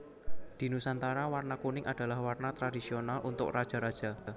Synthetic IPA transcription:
d̪̥i̤nusant̪aɾawarnakunɪŋʔad̥a̤lahwarnat̪ɾadisionalʔunt̪ʊ̰krad̥ʒ̥a̤ɾad̥ʒ̥a̤

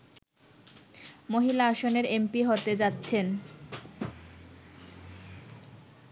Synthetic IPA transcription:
moɦilaaʃoneɾempiɦot̪ed͡ʑatːɕʰen

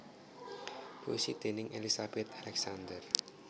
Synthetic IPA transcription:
bosid̪̥e̤nɪŋʔelisab̥ɛt̪̚alɛk̚sand̪ər

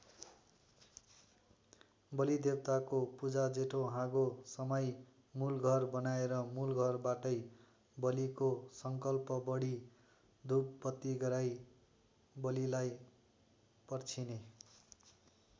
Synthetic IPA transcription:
bʌlid̪ebt̪akopud͡zad͡zeʈʰoɦãɡosʌmʌj | mulɡʱʌrbʌnaeɾʌmulɡʱʌrbaʈʌj | bʌlikosʌŋkʌlpʌbʌɽi | d̪uppʌt̪ːiɡʌɾaj | bʌlilaj | pʌrt͡sʰine

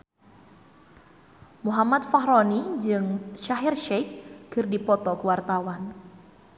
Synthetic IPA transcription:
muɦamat̪̚fahɾɔnid͡ʒɨŋʃaɦirʃɛkkɨrdipɔt̪ɔkəwart̪awan

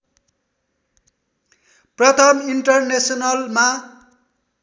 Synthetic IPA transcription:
prʌt̪ʰʌmiɳʈʌrnesʌnʌlma

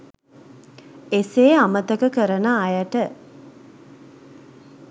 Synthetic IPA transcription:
eseːamət̪əkəkəɾənəːjəʈə

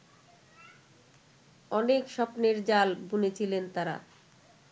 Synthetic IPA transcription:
ɔnekʃɔpneɾd͡ʑalbunet͡ɕʰilent̪aɾa̰

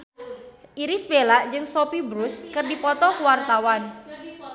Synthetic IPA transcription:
ʔiɾisbelaʔd͡ʒɨŋsopibɾʊskɨrdipɔt̪ɔkuwart̪awan

